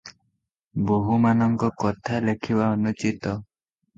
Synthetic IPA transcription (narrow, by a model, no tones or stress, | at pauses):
boɦumanɔŋkɔkɔt̪ʰalekʰibaɔnut͡ʃit̪ɔ